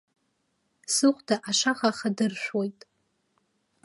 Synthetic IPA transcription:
sɨχʷdʰaʔaʂaχaχadɨrʃᶣʷwo̞jtʼ

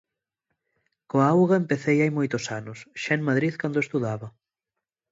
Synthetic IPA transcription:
koaawɣɐempeθejajmojt̪ʊsanʊsʃɛnmaðɾiðkand̪oest̪uðaβɐ

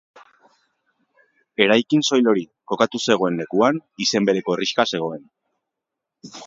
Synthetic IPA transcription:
e̞ɾajkinso̞jlo̞ɾi | ko̞kat̪use̞ɣ̞o̞e̞nːe̞kuanise̞mbe̞ɾe̞ko̞eriʃkase̞ɣ̞o̞e̞n

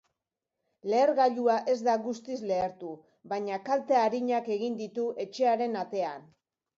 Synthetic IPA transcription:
le̞ːɾɣaʎuaʔe̞zd̪aɣust̪izle̞ːɾt̪u | baɲakalt̪eaɾiɲake̞ɣ̞ind̪it̪uʔe̞t͡ʃe̞aɾe̞nat̪e̞an

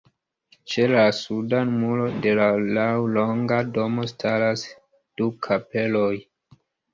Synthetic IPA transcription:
t͡ʃe̞lasudanumulode̞lalawloŋɡado̞mo̞stʰaɾas | d̥ukʰape̞lo̞j

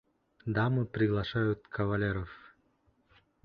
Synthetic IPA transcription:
d̪amɨpɾʲɪɡlˠaʃajut̪kʰɐvalʲeɾəf

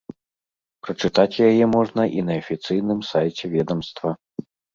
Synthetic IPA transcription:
pɾɐt͡ʂɨt̪at͡sʲjajɛmɔʐnɐʔinɐɐfʲit̪sɨjnɨmsajt͡sʲɛvʲɛd̪ɐmst̪vɐ

